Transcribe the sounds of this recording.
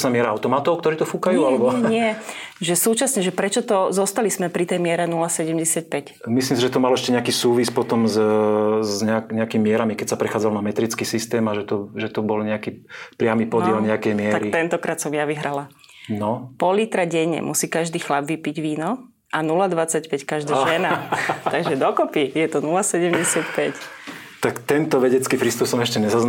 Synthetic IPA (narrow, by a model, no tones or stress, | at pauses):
snamɪɛɾaaʊt̪ɔmat̪ɔʊkt̪ɔɾiːt̪ɔfukajuːalɛbɔɲɪɛʒɛsuːt͡ʃasɲɛʒɛpɾɛt͡ʃɔt̪ɔzɔst̪alizmɛpɾit̪ɛjmɪɛɾɛnulasɛɟɛmɟɛsɪac̚pɛcmislimsiʒɛt̪ɔmalɔɛʃcɛɲɛakiːsuːʋispɔt̪ɔmz | zɲɛakɲɛakimimɪɛɾamikɛcsapɾɛxaːd͡zalɔnamɛt̪ɾit͡skiːsist̪ɛːmaʒɛt̪ɔʒɛt̪ɔbɔlɲɛakiːpɾɪamipɔdɪɛlɲɛakɛjmɪɛt̪aɾkit̪ɛnt̪ɔkɾaːt̪sɔmjaʋiɦɾala | nɔpɔlit̪ɾaɟɛɲːɛ̰mʔusiːkaʒd̪iːxlabʋipiɟʋiːnɔ | ʔanulad̪ʋat͡sacpɛckaʒd̪aʒɛnat̪aɡʒɛd̪ɔkɔpijɛt̪ɔnulasɛɟɛmɟɛsɪat̪pɛct̪akt̪ɛnt̪ɔʋɛɟɛt͡skiːfɾist̪upsɔmɛʃcɛɲɛzaz